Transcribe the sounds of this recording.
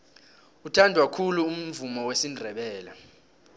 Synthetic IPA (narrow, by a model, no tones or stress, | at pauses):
utʰandʱwakʰuluːm̩vumɔwesindʱɛɓɛːla